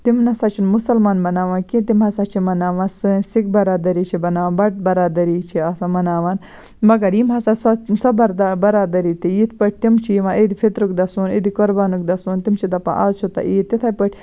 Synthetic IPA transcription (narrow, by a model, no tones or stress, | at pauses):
t̪imnɐsɐt͡ʃʰinmusɐlmaːnbɐnaːʋãːnkĩt̪imɦɐsat͡ʃʰimɐnaːʋãːnsɨnsik̚bɐɾaːd̪ɐɾit͡ʃʰibɐnaːʋaːbɐʈ̚bɐɾaːd̪ɐɾiːt͡ʃʰiɐsamɐnaːʋaːn | mɐɡɐɾjimɦɐsasɐsɐbɐɾd̪abɐɾaːd̪ɐɾiːt̪ijit̪̚ʰpɐʈ̚ʲʰt̪imt͡ʃʰijiʋãːʔid̪ifʰit̪ɾuk̚d̪ɐsuːnid̪ikoɾbaːnuk̚d̪ɐsunt̪imt͡ʃʰid̪ɐpã̰ʔaːzt͡ʃʰut̪ɐ̰ʔiːt̪ːit̪ʰɐpɐʈʰʲ